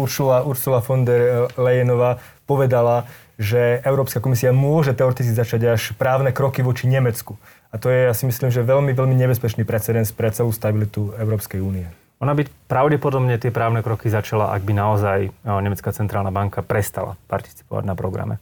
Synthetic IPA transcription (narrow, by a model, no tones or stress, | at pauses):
uɾsulauɾsulafɔnd̪ɛɾlɛjɛnɔʋaː | pɔʋɛd̪ala | ʒɛɛʊɾɔːpskakɔmisiamʊɔʒɛt̪ɛɔɾɛt̪it͡skizat͡ʃaɟaʃpɾaːʊnɛkɾɔkiʋɔt͡ʃiɲɛmɛt͡sku | at̪ɔjɛjasimisliːmʒɛʋɛlmiʋɛlmiɲɛbɛspɛt͡ʃniːpɾɛt͡sɛd̪ɛnspɾɛt͡sɛluːst̪abilit̪uɛʊɾɔːpskɛjuːniɛ | ɔnabipɾaʊɟɛpɔd̪ɔbɲɛt̪ɪɛpɾaːʊnɛkɾɔkizat͡ʃala̰ʔa̰ɡ̚binaɔzajɲɛmɛt͡skat͡sɛnt̪ɾaːlnabaŋkapɾɛst̪ala̰pa̰ɾt̪i̥t͡si̥pɔʋa̰ɟnapɾɔɡɾa̰mɛ̰